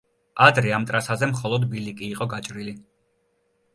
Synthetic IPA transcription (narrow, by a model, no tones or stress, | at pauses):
ad̪ɾɛamt̪ʼɾasazɛmχɔlˠɔd̪bilikʼiːqʼɔɡat͡ʃʼɾili